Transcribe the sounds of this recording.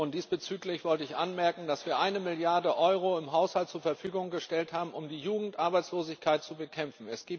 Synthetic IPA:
ʊntd̥iːsb̥ət͡syːklɪçv̥ɔltəɪçʔanmɛɐkŋ̩dasv̥iːɐʔaɪnəmɪljaɐdəʔɔʏʁ̞oɪmɦaʊshalt̚t͡suːɐfɛɐfyːɡʊŋɡəʃtɛlthaːbm̩ʊmdiːjuːɡŋ̩tʔaɐbaɪt͡sloːzɪçkʰaɪt̚t͡subəkʰɛmfn̩ɛsɡ̥iː

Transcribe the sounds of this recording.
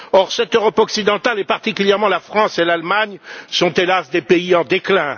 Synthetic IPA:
ɔʁsɛt̪øʁɔpɔksid̪ɑ̃t̪alepaʁt̪ikʲyljɛʁmɑ̃lafχɑ̃selalmaɲsɔ̃t̪elasd̪epeiɑ̃d̪eklɛ̃

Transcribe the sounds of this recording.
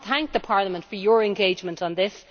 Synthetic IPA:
θæ̃ŋk̚ðəpʰɑɹləmə̃ntfə˞jə˞ɛ̃nɡeɪd͡ʒmə̃ntn̩ðɪs

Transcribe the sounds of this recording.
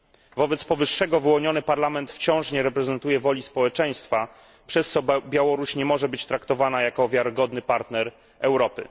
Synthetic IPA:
vɔbɛt̪spɔvɘʂːɛɡɔvɘwɔɲɔnɘpaɾlamɛnt̪ft͡ɕɔ̃w̃ʂɲɛɾɛpɾɛzɛnt̪ujɛvɔlʲispɔwɛt͡ʂɛj̃st̪fa | pʂɛst̪sɔbʲjawɔɾuɕɲɛmɔʐɛbɘt͡ɕt̪ɾakt̪ɔvanajakɔvʲjaɾɪɡɔd̪nɘpaɾt̪nɛɾ | ɛwɾɔpɘ̰

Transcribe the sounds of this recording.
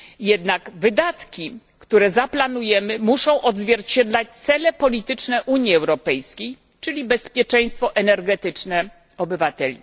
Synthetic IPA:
jɛd̪naɡvɘd̪at̪kʲi | kt̪uɾɛzaplanujɛmɘmuʂɔ̃w̃ʔɔd̪zvʲjɛɾt͡ɕɛd̪lat͡ɕt̪sɛlɛpɔlʲit̪ɘt͡ʂnɛʔuɲiɛwɾɔpɛjskʲej | t͡ʂɘlʲibɛspʲjɛt͡ʂɛj̃st̪fɔʔɛnɛɾɡɛt̪ɘt͡ʂnɛ | ɔbɘvat̪ɛlʲḭ

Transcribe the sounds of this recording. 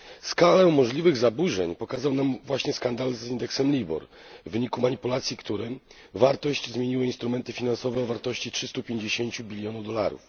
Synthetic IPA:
skalɛmɔʐlʲivɘɣzabuʐɛɲpɔkazawnamvwaɕɲɛskand̪alzind̪ɛksɛmlʲibɔ̰ɾːɘɲikumaɲipulat̪sʲjikt̪uɾɛ | vaɾt̪ɔɕd͡ʑzmʲjeɲiwɘinst̪ɾumɛnt̪ɘfʲinansɔvɛɔvaɾt̪ɔɕt͡ɕitʂɘst̪upʲjeɲd͡ʑeɕeɲt͡ɕubʲilʲjɔnuvd̪ɔlaɾṵf

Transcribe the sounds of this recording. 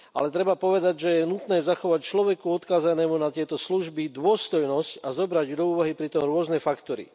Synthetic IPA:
ʔa̰lɛt̪ɾɛbapɔʋɛd̪aɟʒɛjɛnut̪nɛːzaxɔʋact͡ʃlɔʋɛkuɔt̪kaːzanɛːmunat̪ɪɛt̪ɔsluʒbid̪ʊɔst̪ɔjnɔscazɔbɾaɟd̪ɔuːʋaɦipɾit̪ɔmɾʊɔznɛfakt̪ɔɾḭ

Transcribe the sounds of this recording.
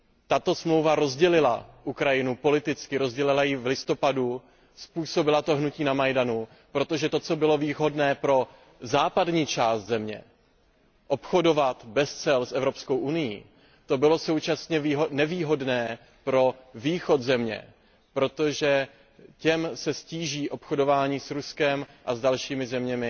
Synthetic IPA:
t̪at̪o̞smlo̞wvaɾo̞zɟɛlɪla̰ʔukɾajɪnupo̞lɪt̪ɪt͡skɪɾo̞zɟɛlɪlajɪvlɪst̪o̞padu | spuːso̞bɪlat̪o̞ɦnuciːnamajdanu | pɾo̞t̪o̞ʒɛt̪o̞t͡so̞bɪlo̞viːɦo̞dnɛːpɾo̞ | zaːpadɲiːt͡ʃaːst̪zɛmɲɛ̰ | ʔo̞pxo̞do̞vat̪bɛst͡sɛlsʔɛvɾo̞psko̞wʔunɪjḭː | t̪o̞bɪlo̞so̞wt͡ʃasɲɛnɛviːɦo̞dnɛː | pɾo̞viːxo̞t̪zɛmɲɛ̰ | pɾo̞t̪o̞ʒɛ | cɛmsɛsciːʒiːʔo̞pxo̞do̞vaːɲiːsɾuskɛmʔazdalʃiːmɪzɛmɲɛmɪ

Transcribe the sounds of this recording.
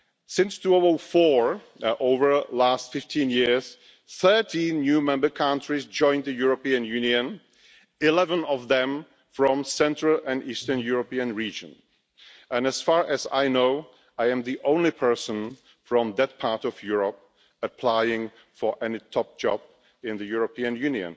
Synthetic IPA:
sɪ̃nstʰuovl̩ˠfɔɹ | ʔoʊvə˞læstfɪftʰĩnjɪɹz̥ | θɜ˞tʰĩnːjʉmɛ̃mbə˞kʰãntɹ̥izd͡ʒɔ̃ɪ̃nðɨjuɹəpiɨ̃njʉ̃niɨ̃n | ɪlɛvə̃nʌvðɛ̃m | fɹɔ̃msɛ̃ntɹ̥əlˠɨ̃nistə̃˞njʊɹəpiɨ̃nɹid͡ʒɨ̰̃n | ʔɨ̃nɨz̥fɑɹʔɨza̰ɪnoʊ | aɪɨ̃mðiʔõʊ̃nlipʰɜ˞sə̃n | fɹʌ̃mðɨt̚pʰɑɹɾʌvjʊɹəp̚ | ɨpʰl̥aɪɪ̃ŋ | fə˞ʔɛnitʰɔp̚d̥ʒ̥ɑb̥̚ | ɪ̃nðɨjʊɹəpʰiɨ̃njʉ̃niɨ̰̃n

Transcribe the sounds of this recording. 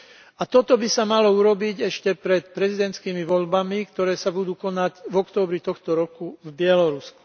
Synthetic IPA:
at̪ɔt̪ɔbisamalɔuɾɔbiɟɛʃcɛpɾɛt̪pɾɛzid̪ɛnt̪skiːmiʋɔʎbamikt̪ɔɾɛːsabud̪uːkɔnaɟvɔkt̪ɔːbɾit̪ɔxt̪ɔɾɔkuvbɪɛlɔɾusku̥

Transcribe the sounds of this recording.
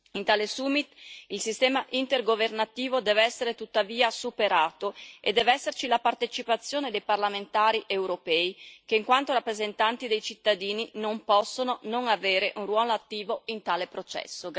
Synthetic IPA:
int̪aːlesumit̪ilsist̪ɛːmaʔint̪erɡovernat̪iːvod̪ɛːvɛsːeɾet̪ut̪ːaviːasupeɾaːt̪oḛd̪ːɛːveɛsːert͡ʃilapart̪et͡ʃipat̪sːjoːned̪ejparlament̪aːɾiʔewɾopɛːikeiŋkwant̪oɾapːɾezent̪ant̪id̪ejt͡ʃit̪ːad̪iːninompɔsːononoŋaveːɾeʔunrwɔːloat̪ːiːvoint̪aːlepɾot͡ʃɛ̰sːo

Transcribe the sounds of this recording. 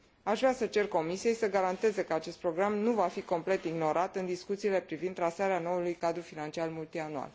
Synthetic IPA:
aʃvɾasət͡ʃe̞rko̞misije̞jsəɡaɾant̪e̞ze̞kəat͡ʃe̞st̪pɾo̞ɡɾamnuvafiko̞mple̞t̪iɡno̞ɾat̪ɨnd̪iskut̪siːle̞pɾivind̪ːɾasaɾeano̞ulujkad̪ɾufinant͡ʃialmult̪ianua̰l

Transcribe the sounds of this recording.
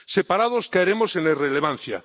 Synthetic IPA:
sepaɾaðoskaeɾemosenereleβ̞an̟θja̰

